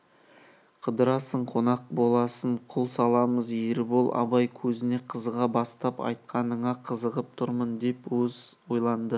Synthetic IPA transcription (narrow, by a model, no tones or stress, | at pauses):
qʰəd̪əɾɑsəɴqʰo̞nɑq̚bo̞lˠɑsəɴqʰʊlˠsɑlˠɑməzeɾɪbolˠʔɑ̰bɑjkʲʰɵzɪne̞qʰəzəʁɑbɑst̪ɑpɑ̰jt̪̚qʰɑnəɴɑqʰəzəʁəp̚t̪ʰʊɾmənd̪e̞pwɵzwo̞jlˠɑnd̪ə